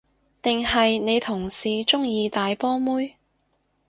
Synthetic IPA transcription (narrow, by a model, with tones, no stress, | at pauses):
t̪ɪ˨ŋhɐ˨jne˨˧jt̪ʰʊ˨˩ŋsiː˨˧t͡sʊ˥ŋjiː˧t̪aː˨jpɔː˥muː˥j